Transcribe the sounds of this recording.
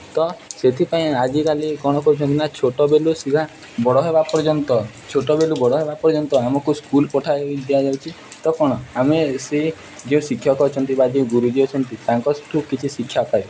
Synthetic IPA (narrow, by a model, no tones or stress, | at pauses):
t̪ɔset̪ʰipaĩad͡ʒikalikɔɽ̃ɔkɔut͡ʃʰɔnt̪inat͡ʃʰoʈɔbelusika | bɔɽɔɦebapɔɾd͡ʒɔnt̪ɔ | t͡ʃʰoʈɔbelubɔɽɔɦebapɔɾd͡ʒɔnt̪ɔamɔkuskulpɔʈʰaeid̪jad͡ʒawt͡ʃʰi | t̪ɔkɔɽ̃ɔamese | d͡ʒeũsikʰːjɔkɔt͡ʃʰɔnt̪ibad̪iɡuɾud͡ʒiot͡ʃʰɔnt̪it̪aŋkɔsʈʰukit͡ʃʰisikʰːjapaj